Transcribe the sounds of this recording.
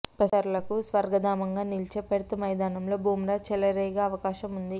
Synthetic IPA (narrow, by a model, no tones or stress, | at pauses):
pɐɐɾlɐkusʋɐɾɡɐd̪aːmɐŋɡaːnilt͡ʃeːpɐɽut̪umɐjd̪aːnɐmlo̞ːbʱuːmɾaːt͡ʃɛlɐɾɛjɡaːɐʋɐkaːʃɐmund̪i